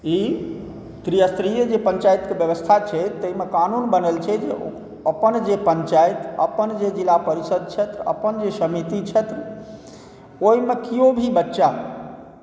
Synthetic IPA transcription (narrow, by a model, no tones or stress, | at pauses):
i | t̪ɾijəst̪ɾijəd͡ʒepəɲt͡ʃajt̪kebjəʋəst̪ʰat͡ʃʰɛt̪ːəɦimekanunbənəlt͡ʃʰɛd͡ʒe | əpənd͡ʒepəɲt͡ʃajt̪ə̰pənd͡ʒed͡ʒilapəɾisəd̪̚t͡ʃʰɛt̪ɾə̰pənd͡ʒesəmit̪it͡ʃʰɛt̪ɾ | oimekiobʱibətːʃaɦ